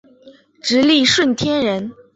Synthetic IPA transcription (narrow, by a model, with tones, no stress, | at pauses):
ʈ͡ʂɻ̩˧˥li˥˧ʂwə˥˩nt̪ʰjɛ˥nɻə˧˥n